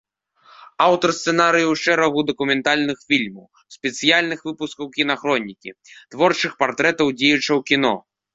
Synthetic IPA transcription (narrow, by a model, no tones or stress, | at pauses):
awt̪ɐrst̪sɛnaɾɨjɐwʂt͡ʂɛɾɐɣud̪ɐkumʲɛnt̪alʲnɨxfʲilʲmɐw | sʲpʲɛt̪sɨjalʲnɨxvɨpuskɐwkʲin̪axɾɔnʲːikʲḭt̪vɔrt͡ʂɨxpart̪ɾɛt̪ɐwd͡zʲɛjut͡ʂɐwkʲin̪ɔ̰